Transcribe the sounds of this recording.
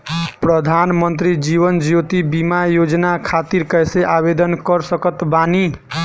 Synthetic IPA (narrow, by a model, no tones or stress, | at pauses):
pɾʌd̪ʱanmʌnt̪ɾid͡ʒiβʌnd͡ʒot̪ibimajod͡ʒnakʰat̪iɾkʌjseʔaβed̪ʌnkʌɾsʌkʌt̪bani